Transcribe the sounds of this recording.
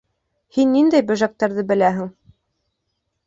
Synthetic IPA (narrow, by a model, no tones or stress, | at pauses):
hinːind̪æjbɘ̆ʒæk̚t̪ɑɾðɤbɘ̆læɦɘ̆ŋ